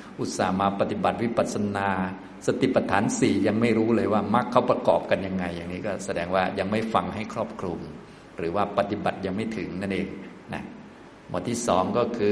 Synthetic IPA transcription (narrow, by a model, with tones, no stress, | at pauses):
ʔu˧˩t̪̚sa̰ː˨˩˦maː˧pa˧t̪i˨˩ba˨˩t̪̚wi˦˥ba˨˩t̪̚sa˧naː˧ | sa˧t̪i˨˩pːa˧t̪ʰaː˩˦nsiː˨˩ja˧ŋma˥˩jɾuː˦˥lɤː˧jwaː˥˩ma˦˥kʰːa˦˥wpɾa˧kɔ̰ː˨˩p̚ka˧nja˧ŋːa˧jːaː˨˩ŋniː˦˥kɔː˥˩sa˧dɛː˧ŋwaː˥˩ja˧ŋma˥˩jfa˧ŋɦa˥˩jkʰɾɔː˥˩p̚kʰɾu˧m | ɾɯː˩˦waː˥˩pa˧t̪i˨˩ba˨˩t̪̚ja˧ŋma˥˩jt̪ʰɯ˩˦ŋna˥˩nʔeː˧ŋ | na̰˦˥ | mṵ˧˩t̪ʰiː˥˩sɔː˩˦ŋkɔː˥˩kʰɯː˧